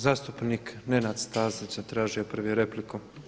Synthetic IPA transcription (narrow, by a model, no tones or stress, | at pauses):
zaːst̪upniknenad̪st̪aːzit͡ʃat̪ɾaːʒijopr̩ʋjeɾepliku